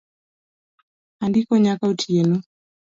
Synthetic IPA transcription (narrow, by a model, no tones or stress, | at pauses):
andikɔɲakautʰiɛnu